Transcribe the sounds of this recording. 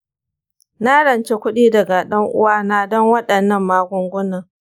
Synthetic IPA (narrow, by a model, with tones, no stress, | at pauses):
na˦ɽɐ˨nt͡ʃe˦kʷʊ˦ɗiː˦dɐ˨ɡa˨ɗɐ˦ŋʔʊ̰˦waː˦naː˦dɔ˦ŋwɐ˦ɗɐ˨nːɐ˦˨mːaː˦ɡʷʊ˦ŋɡʷʊ˦nɐ˨